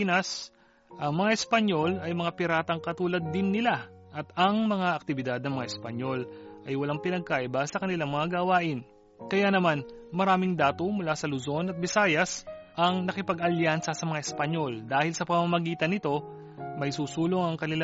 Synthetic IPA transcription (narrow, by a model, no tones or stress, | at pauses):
inɐs | ʔɐŋmɐŋaʔɛspɐɲo̞lɐjmɐŋapɪɾaːt̪ɐŋkɐt̪uːlɐd̪ːɪnːɪlaʔɐt̪ɐŋmɐŋaʔɐk̚t̪ɪbɪd̪ad̪̚nɐŋmɐŋa̰ʔɛspɐɲo̞lʔɐjwɐlaŋpɪnɐɡ̚kaʔɪbasɐkɐnɪlaŋmɐŋaɡɐwaːʔɪn | kɐjanɐmanmɐɾaːmɪŋd̪aːt̪omʊlasɐlʊzo̞nɐt̪̚bɪsaːjɐsʔɐŋnɐkɪpɐɡɐljansɐsɐmɐŋaɪspɐɲo̞ld̪aːhɪlsɐpɐmamɐɡiːt̪ɐnɪt̪o̞ | mɐjsuːsuːloŋɐŋkɐnɪla